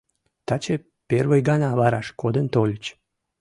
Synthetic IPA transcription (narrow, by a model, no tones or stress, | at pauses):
t̪at͡ɕe | pervəjɡɑnɑβɑɾɑʃkod̪ənt̪olʲt͡ɕ